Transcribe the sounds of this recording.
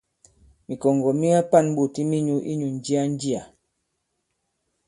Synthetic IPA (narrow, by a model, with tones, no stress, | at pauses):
mi˨kɔ˨ŋɡɔ˨mi˦a˦pa˦˨n˦ɓu˨ti˦mi˦ɲu˦ʔḭ˦ɲu˨n˦d͡ʒi˦a˦n˦d͡ʒi˦a˨